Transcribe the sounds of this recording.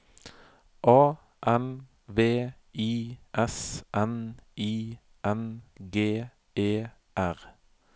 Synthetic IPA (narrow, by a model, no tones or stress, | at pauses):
ʔɑː | ʔɛn | ʋeː | iːʔɛsʔɛniː | ʔɛnɡeː | eː | ʔæʁ